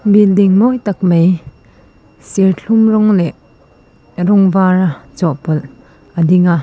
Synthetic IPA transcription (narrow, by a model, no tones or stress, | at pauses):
bild̪iŋmɔjt̪ak̚mej | sɛrɬʰumrɔŋlɛʔ | rɔŋvaɾat͡sɔʔpɔl | ʔəd̪iŋa